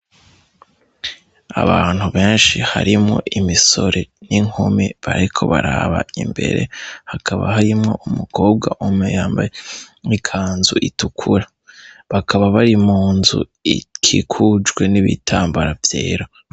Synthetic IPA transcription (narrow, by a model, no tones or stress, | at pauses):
aβaːn̥huβe̞ːnʃihaɾimŋo̞̰ʔimiso̞ɾʔe̞niŋ̥omeβaɾikʰo̞βaɾaːβa̰imbe̞̰ɾe̞̰hakʰaβa̰ɦaɾimŋo̞ʔumukʰo̞ːb̚ɡaʔumejaːmbajikʰaːnzuʔitukʰuɾa | βakʰaβaβaɾimuːnzṵ | ikʰikʰud͡ʒɡwe̞niβitʰaːmbaɾavjeːɾo